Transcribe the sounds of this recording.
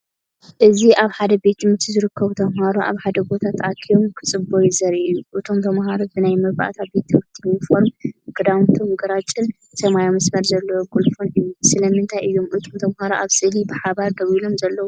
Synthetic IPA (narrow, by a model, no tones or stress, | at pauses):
ʔɨziʔaβħad̪ɐbe̞t̪ːɨmɨt̪ʰizɨɾɨkʰːɐβut̪ʰɐmhaɾoʔa̰βħad̪ɐbo̞t̪ʰat̪ʰʔakʰijomkʰɨ̥t͡sʼɨbojɪzɐɾiʔjuʔɨt̪ʰomt̪ʰɐmhaɾobɨnajmɨɾba̰ʔt̪ʰabe̞t̪ɨmɨt̪ʰːinːɨfoɾmɡɨd̪awnt̪ʰomɡɐɾat͡ʃʼːɨn | sɐmajomɐsmɐɾzɐlːɐwoɡulfʼonɨjːusɨlɐmɨnt̪ʰajʔɨjːomʔɨt̪ʰʼomt̪ʰɐmhaɾoʔaβsɨlibɨħaβaɾd̪ɐβilo̞mzɐlːɐwu